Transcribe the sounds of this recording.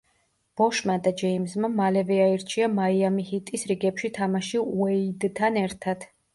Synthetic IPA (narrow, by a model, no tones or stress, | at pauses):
b̥ɔʃmad̪ad͡ʒɛimzmamalɛvɛaiɾt͡ʃʰiamaiamihit̪ʼisɾiɡɛpʃit̪ʰamaʃiuɛid̪t̪ʰːanɛɾt̪ʰad̪̥